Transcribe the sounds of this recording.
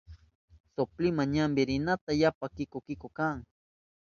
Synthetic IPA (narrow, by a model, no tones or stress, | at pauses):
soplɪmaɲambɪɾɪnat̪ajapakɪkokɪkokaŋ